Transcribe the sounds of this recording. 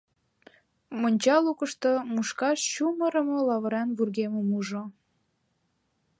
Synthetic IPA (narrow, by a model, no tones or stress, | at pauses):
monʲt͡ɕɑlukəʃt̪omuʃkɑʃɕuməɾə̆molɑβə̆ɾɑnβurɣeməmuʒo